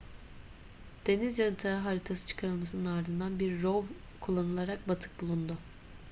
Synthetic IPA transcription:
d̪̥e̞nizjanɯt̪ʰɯaɦaɾit̪ʰasɯ̥t͡ʃʰɯ̥kʰaɾɯlˠmasɯnɯnaɾd̪ɯnd̪anbiɾːov | kʰulˠːanɯlˠaɾak̚bat̪ʰɯ̥k̚bulˠund̪ʊ

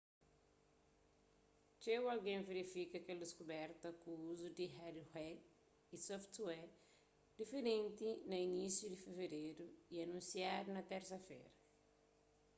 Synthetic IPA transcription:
t͡ʃewɐlɡẽveɾifikɐkeld̪iskubɛɾt̪ɐkuuzud̪iɦadhwɛd̪ | isɔft̪wɛ | d̪̥ifeɾẽnt̪inɐinisjud̪ifeveɾeɾuiɐnũnsiad̪unɐt̪ɛɾsɐfḛɾɐ

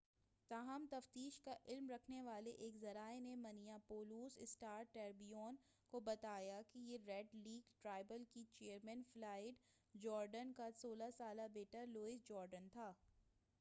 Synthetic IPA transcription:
t̪aːɦəmt̪ɐft̪iːʃkaʔɪlmɾɐkʰneʋaːleʔeːkzɐɾaːenemɐnijapoːluːsɪsʈaːɾʈɛːɾbijoːn | kobɐt̪aːjakijeɾɛɖliːɡʈɾaːɪbəlkit͡ʃeːəɾmɛ̃ːnflaːɪɖ | d͡ʒɔːɾɖənkasoːlasaːlabeːʈəɾloːɪsd͡ʒɔːɾɖənt̪ʰaː

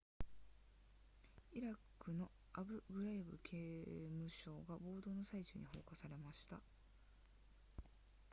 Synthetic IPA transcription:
iɾakːɯ̟no̞ | abɯ̟ɡɯ̟ɾaibɯ̟̰kʰeːmɯ̟ɕo̞ːɡabo̞ːd̪o̞ːno̞sait͡ɕɨ̰ːɲ̟iho̞̰ːkasaɾe̞maɕi̥t̪a̰

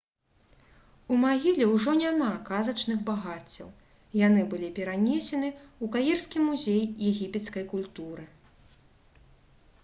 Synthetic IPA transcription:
umaɣʲilʲɛwʐɔnʲamakazɐt͡ʂnɨɣbaɣat͡sʲːɐw | janɨbɨlʲipʲɛɾanʲesʲɛnɨukajɛrskʲimuzʲejːɛɣʲipʲɛt̪skɐjkulʲt̪uɾɨ

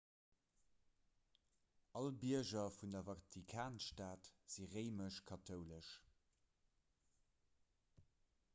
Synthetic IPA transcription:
ɑlbiɐʒɐfundɐvɑtʰikʰaːnʃtaːtz̥iʁeɪməʃkʰɑtʰəʊləʃ

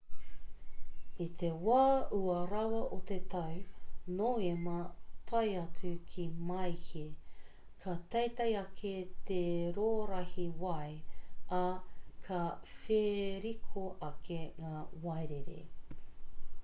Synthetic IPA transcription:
it̪ʰewaːʔuɐɾɐwɐʔot̪et̪ʰɐwnoemɐt̪ʰɐjɐt͡sʉkʰimɐjhi | kʰɐt̪ɐjt̪ɐjɐkʰet̪eɾoːɾɐhiwɐjʔɐkʰɐfeɾikʰoʔɐkʰeŋaːwɐjɾeɾḛ

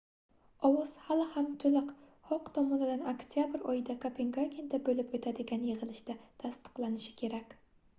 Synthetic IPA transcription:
ɒwɒz̥halhamt̪ʰɵlɪq | hɒqt̪ʰɒmɒnɪd̪anokt̪ʰijabɪɾɒjɪd̪akʰapʰeŋɡaɡʲind̪abɵlɪpɵt̪ʰad̪ɪɡʲanjɪʁɨlˠɪʃt̪at̪ʰast̪ɨ̥qlˠanɪʃɪ̥kʲʰe̞ɾakʲ

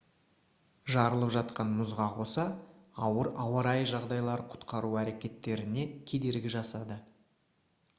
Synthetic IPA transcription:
ʒɑɾəlˠəpʒɑt̪̚qɑnmʊzʁɑqʰo̞sɑɑwəɾɑwɑɾɑjʒɑʁd̪ɑjlˠɑɾəqʰʊ̥t̪qɑɾuæɾe̞kʲe̞t̪ːe̞ɾɪne̞kʲʰe̞d̪e̞ɾɡʲɪʒɑsɑd̪ə

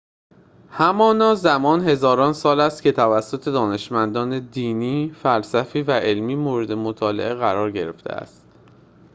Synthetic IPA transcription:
hæmɒːnɒːzæmɒːnhe̞zɒːɾɒːnsɒːlæst̪̚cʰe̞t̪ʰævæsːot̪ʰe̞d̪ɒːne̞ʃmænd̪ɒːned̪iːniːfælsæfiːvæʔe̞lmiːmoːɾe̞d̪e̞mot̪ʰɒːle̞̰ʔeɣæɾɒːɾɟe̞ɾe̞ft̪ʰḛæ̰st̪

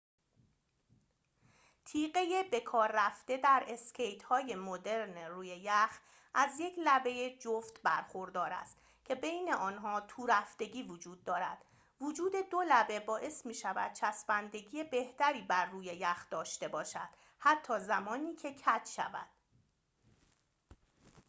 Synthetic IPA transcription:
t̪ʰiːɢe̞je̞be̞kʰɒːɾːæft̪e̞d̪æɾe̞scʰe̞jt̪ʰhɒːje̞mod̪e̞ɾneruːje̞jæx | ʔæzje̞cʰlæbe̞je̞d͡ʒoft̪bæɾxo̞ɾd̪ɒːɾæ̰st̪ | cʰe̞bejne̞ʔɒːnɦɒːt̪ʰuːɾæft̪e̞ɟiːvod͡ʒuːd̪̚ːɒːɾæd̪̥ | vod͡ʒuːd̪e̞d̪olæbe̞bɒːʔe̞smiːʃævæ̰d̪̥̚t͡ʃʰæsbænd̪e̞ɡije̞be̞ht̪æɾiːbæɾːuːje̞jæxd̪̥ɒːʃt̪e̞bɒːʃæd̪̥ | hæt̪ʰːɒːzæmɒːniːcʰe̞cʰæt̪ʰʃæ̰væ̰d̪̥

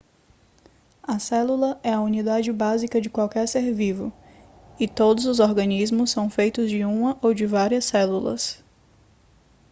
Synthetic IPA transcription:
ɐsɛlulɐɛɐunid̪ad͡ʒɪbazikɐd͡ʒɪkwawkɛɾseɾvivʊ̰ | ɪt̪od̪ʊzʊzɔɾɡɐnizmʊsːɐ̃w̃fejt̪ʊzd͡ʒɪũmɐʔowd͡ʒɪvaɾiɐsːɛlulɐ̰s

